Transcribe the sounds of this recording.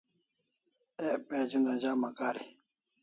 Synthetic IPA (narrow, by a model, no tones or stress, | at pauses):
epeːd͡ʑunɐd͡ʑaːmɐkaːɾi